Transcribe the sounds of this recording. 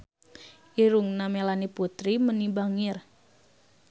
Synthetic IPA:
ʔiɾuŋnamelaniput̪ɾimənibaŋɪr

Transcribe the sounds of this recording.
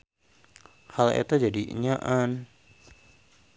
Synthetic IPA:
halḛt̪ad͡ʒadiʔḭɲaʔan

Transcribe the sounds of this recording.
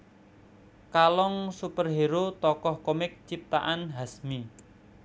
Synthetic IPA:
kalɔŋsupərɦeɾot̪ɔkɔhkomɪk̚t͡ʃip̚t̪aʔanɦasmi

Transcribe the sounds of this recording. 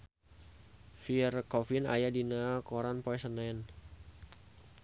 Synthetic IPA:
firkɔfina̰jadinakɔɾanpɔɛsənɛn

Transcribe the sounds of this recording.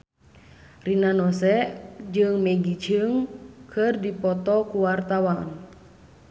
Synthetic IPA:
rinanɔsɛʔd͡ʒɨŋmɛɡit͡ʃɨŋkʰɨrdipɔt̪ɔkuwart̪awan

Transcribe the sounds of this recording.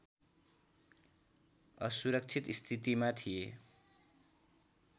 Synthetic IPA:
ʌsuɾʌk̚t͡sʰit̪ist̪ʰit̪imat̪ʰije

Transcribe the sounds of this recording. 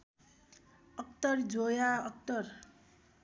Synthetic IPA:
ʌk̚t̪ʌrd͡zojaʌk̚t̪ʌr

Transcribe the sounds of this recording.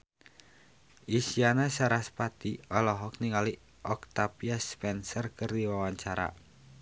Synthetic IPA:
ʔisianasaɾaspat̪iɔlɔɦɔk̚niŋali | ʔɔk̚t̪apiaspɛnsərkərd̪iwawaɲt͡ʃaɾa̰

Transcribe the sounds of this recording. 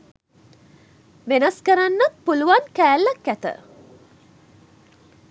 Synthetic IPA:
ʋenɐskəɾanːat̪̚puluʋankæːlːɐkæt̪ə̰

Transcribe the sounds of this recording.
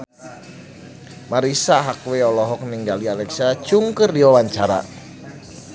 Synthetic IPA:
maɾisaɦakweɔlɔɦɔk̚niŋɡalialɛksat͡ʃuŋkɨrdiwawaɲt͡ʃaɾa̰

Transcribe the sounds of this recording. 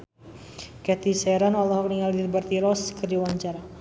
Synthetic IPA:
kɛt̪isɛɾanalɔɦɔk̚niŋaldirbart̪iɾɔskəriwaɲt͡ʃaɾa

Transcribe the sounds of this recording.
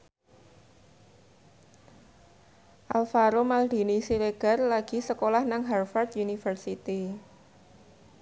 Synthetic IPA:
ʔalfaɾomald̪̥i̤nisileɡ̥a̤rlaɡ̥i̤səkolahnaŋɦarfart̪̚junifərsit̪i

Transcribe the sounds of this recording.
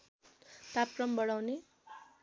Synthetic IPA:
t̪ap̚krʌmbʌɽawne

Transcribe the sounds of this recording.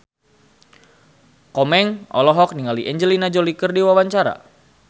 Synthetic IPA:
kɔmɛŋʔɔ̰lɔɦɔk̚niŋaliʔɛɲd͡ʒəlinad͡ʒɔlikərdiwawaɲt͡ʃaɾa̰

